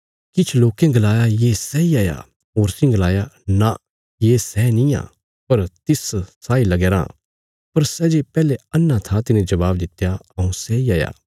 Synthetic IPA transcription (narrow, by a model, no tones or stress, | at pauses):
kɪt͡ʃʰloːkẽɡɐlaːjajeːsɛiaːja̰ | ɦoːɾsĩɡlaːjana | jeːsɛnĩã̰ː | pɐɾt̪ɪssaːilɐɡeːɾã̰ː | pɐɾsɛːd͡ʒepɛːleɐnːat̪ʰat̪ɪnẽd͡ʒɐbaːbd̪ɪt̪jaɐũsɛiaːja̰ː